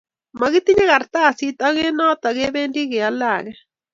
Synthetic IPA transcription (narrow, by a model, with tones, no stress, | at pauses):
ma˨ɣi˦t̪i˦ɲa˦ɣa˨ɾt̪a˦˨si˦t̪a˦ɣe˦na˦t̪a˨ɣe˦βe˦ndi˦ɣe˨a˦la˦˨ɣe˦